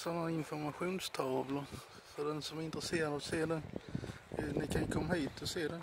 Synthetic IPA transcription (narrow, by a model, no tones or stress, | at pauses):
sɔnːaɪnfɔɾmaɧuːnst̪ʰɑːvlʊɾ | fɔdɛnsɔmæɾɪnt̪ɾɛseːɾad̪ɔseːdɛ | nɪkʰankʰɔmːahiːt̪ɔseːdɛ